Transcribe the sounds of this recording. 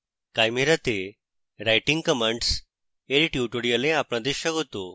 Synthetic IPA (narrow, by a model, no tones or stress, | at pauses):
kajmeɾat̪e | ɾajʈiŋɡkəmə̃ɳɖs | eɾiʈjuʈoɽijəlẽapɳad̪iɕaɡɦot̪o